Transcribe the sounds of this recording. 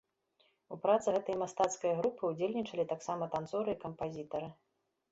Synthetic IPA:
upɾat̪sɨɣɛt̪ɐjɐmast̪at̪skɐjɐɣɾupɨud͡zʲelʲnʲit͡ʂɐlʲit̪aksamɐt̪ant̪sɔɾɨikɐmpazʲit̪ɐɾɨ

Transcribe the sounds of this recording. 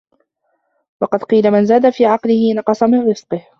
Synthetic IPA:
wɑqɑd̪qiːlamɪnzaːd̪afiːʕɑqlɪhɪnɑqɑsˤɑmɪnɾɪzqɨh

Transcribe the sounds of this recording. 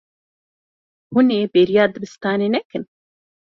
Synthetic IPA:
huneːbeːɾijaːd̪ɨbɨst̪aːneːnɛkɨn

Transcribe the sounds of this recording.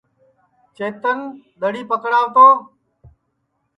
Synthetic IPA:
t͡ʃeːt̪ən | ɗ̪əɽiːpəkɽaːʋt̪oː

